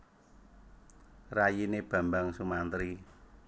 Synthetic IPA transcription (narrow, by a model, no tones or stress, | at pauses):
rajineb̥ä̤mbaŋsumant̪əɾi